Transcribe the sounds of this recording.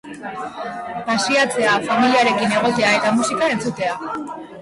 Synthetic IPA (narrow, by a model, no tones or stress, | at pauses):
pasiat͡se̞afamiliaɾe̞kine̞ɣ̞o̞t̪e̞ae̞t̪amusikae̞nt͡sut̪e̞a